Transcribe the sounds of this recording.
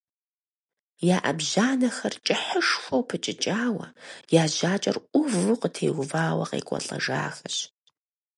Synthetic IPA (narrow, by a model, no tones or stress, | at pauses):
jaːʔɐbʑaːnɐxɐrt͡ʃʼɪħəʂxʷɔwpʰɨt͡ʃʼɪt͡ʃʼaːwɐjaːʑaːt͡ʃʼɐrʔʷʊvuqətʰeːɣʷʊvaːwɐqḛːkʷʼɔ̰ɬʼɐ̰ʐa̰ːxɐɕ